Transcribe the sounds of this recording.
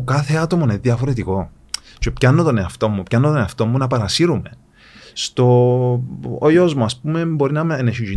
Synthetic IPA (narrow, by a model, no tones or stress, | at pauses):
kɐθe̞ɐt̪o̞moneðiɐfo̞ɾe̞t̪̬iko̞ | t͡ʃe̞pçɐnːot̪o̞ne̞ɐft̪o̞mːupçɐnːot̪one̞ɐft̪o̞mːunɐpɐɾɐsiɾume̞ | st̪o̞ | ojozmuɐspume̞bo̞ɾinɐmeneçiʒi